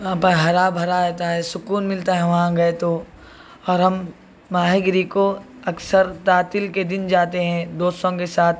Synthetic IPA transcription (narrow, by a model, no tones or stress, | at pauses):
ɐɦãpɐɦɐɾaːbʱɐɾaɾɛːt̪aɦɛsʊkuːnmɪlt̪aɦɛʋɐɦãɡɐet̪o | ɔːɾɦɐmː | aːɦɪɡɾiko | ɐksəɾt̪aːt̪ɪlked̪ɪnd͡ʒaːt̪eɦɛ̃d̪oːst̪õkesaːt̪̚ʰ